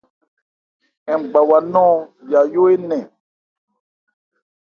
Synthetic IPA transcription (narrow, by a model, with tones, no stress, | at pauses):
ɛ̃˨ɡ͡ba˨wa˨nɔ̃˦˨ja˨jo˦e˦nɛ̃˨